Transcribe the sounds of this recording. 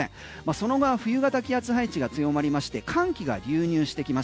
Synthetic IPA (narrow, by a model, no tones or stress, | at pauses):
ẽ | maso̞no̞ɡoaɸɯ̟jɯ̟ɡat̪akʲiat͡sɨɦait͡ɕiɡat͡sɨjo̞maɾʲimaɕi̥t̪e̞kʰãŋkʲiɡa̰ɾʲɨːɲ̟ɨːɕi̥t̪e̞kʲima